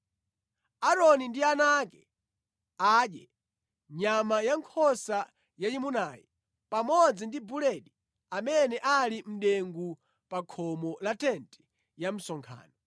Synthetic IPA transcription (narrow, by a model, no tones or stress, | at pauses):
aɾɔnindianakɛ | aːɗjɛ̰ | ɲamajaŋkʰɔsa | jaimunaːjɛ̰ | pamɔd͡zindibulɛɗi | amɛnɛʔalim̩ɗɛŋɡu | pakʰɔmɔlatɛntɛ̥ | jam̩sɔŋkʰa̰ːnɔ